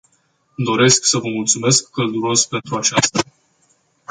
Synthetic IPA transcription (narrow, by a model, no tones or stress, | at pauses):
d̪o̞ɾe̞sksəvəmult̪sume̞skʰːəld̪uɾo̞spe̞nt̪ɾuat͡ʃast̪a